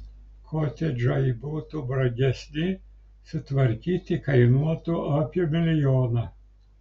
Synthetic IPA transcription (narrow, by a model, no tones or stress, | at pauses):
kʰɔːt̪ʲɛd͡ʒɔjbut̪ʊbɾɐɡʲɛsʲnʲɪ | sʊt̪ʋɐɾʲkʲiːt̪ʲɪkɐɪnuɔt̪ʊapʲjɛmʲɪlʲɪjoːnɐ